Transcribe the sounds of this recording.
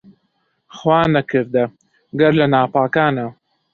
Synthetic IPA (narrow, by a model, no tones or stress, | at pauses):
xwɑːnakɪɾd̪a | ɡaɾlanɑːpɑːkɑːna